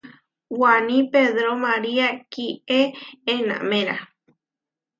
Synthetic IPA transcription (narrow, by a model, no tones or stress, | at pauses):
wanĩpeðɾomaɾiakieenã̰mẽɾa